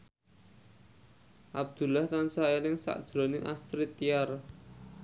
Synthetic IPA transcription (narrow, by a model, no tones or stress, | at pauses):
ʔab̚d̪̥ṳlaht̪ansaeɾɪŋsa̰ʔd̥ʒ̥ɾonɪŋʔast̪ɾit̪iar